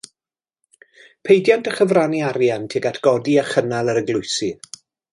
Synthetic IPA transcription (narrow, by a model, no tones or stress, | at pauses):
pʰejdjantʰəχəvraniaɾjantʰiɡatʰɡ̥ɔdiaχənalˠəɾəɡlˠʊɨsɨ